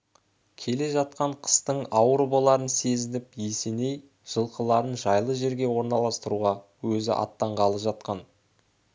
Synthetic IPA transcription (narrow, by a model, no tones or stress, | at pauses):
kʲʰe̞le̞ʒɑt̪̚qɑɴqʰə̥st̪əɴɑwəɾəbolˠɑɾənse̞zɪnɪpjese̞ne̞j | ʒ̥əlˠqəlˠɑɾənʒɑjlˠəʒe̞ɾɡʲe̞wo̞ɾnɑlˠɑst̪əɾuʁɑ | wɵzɪ̰ʔɑ̰t̪ːɑɴʁɑlˠəʒɑt̪qɑn